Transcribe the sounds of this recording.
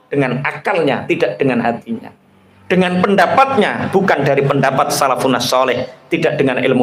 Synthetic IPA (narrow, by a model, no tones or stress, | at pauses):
d̥əŋanakalɲat̪idaʔd̥əŋanɦat̪iɲa̰ | d̥əŋanpəndapat̪̚ɲab̥ukandaɾipəndapat̪̚salafunasɔlɪht̪idaʔd̥əŋanʔɪ̰lmu